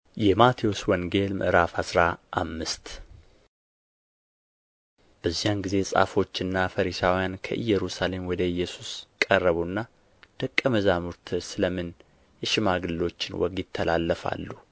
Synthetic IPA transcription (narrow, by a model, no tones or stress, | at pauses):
jɛmat̪ʰioswɔŋɡe̞lmʔɨ̰ɾafhasɾaʔamːɨst̪ | b̥əzːijanɡize̞sʼa̰fo̞t͡ʃːɨnːafəɾisawijankʰə̰ʔɨjːɛɾusale̞mwɔd̪əɨjːɛsu̥skʼərːəβunːa | d̪̥əkʼːəməzamuɾt̪ʰsɨləmɨn | jɛʃɪmaɡɨlːo̞t͡ʃːɪnwɔ̰ɡjɪt̪ʰːəlalːəfa̰lːu